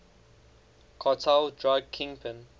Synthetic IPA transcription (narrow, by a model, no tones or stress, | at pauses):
kʰɔtʰaldɹaɡ̚kʰɪ̃ŋpʰə̃n